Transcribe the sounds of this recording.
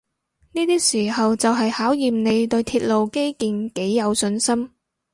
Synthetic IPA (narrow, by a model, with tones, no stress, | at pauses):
niː˥t̪iː˥siː˨˩hɐ˨wt͡sɐ˨wɦɐ˨jhaː˨˥wjiː˨mne˨˧jt̪ɵ˧ɥt̪ʰiː˧t̚lo˨wke˥jkiː˨nke˨˥jːɐ˨˧wsɵ˧nsɐ˥m